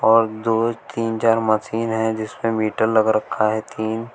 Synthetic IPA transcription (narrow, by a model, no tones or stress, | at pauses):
ɔːɾd̪oːt̪iːnt͡ʃaːɾmɐsiːnɦɛ̃d͡ʒɪsmẽmiːʈəɾlɐɡɾɐkʰːaɦɛt̪iːn